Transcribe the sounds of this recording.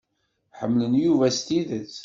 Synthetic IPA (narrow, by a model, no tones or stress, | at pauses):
ħəmːlənjuvæst̪iðət͡s